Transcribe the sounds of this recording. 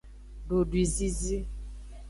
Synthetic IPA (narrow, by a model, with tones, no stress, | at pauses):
bo˨dwi˨zi˦zi˦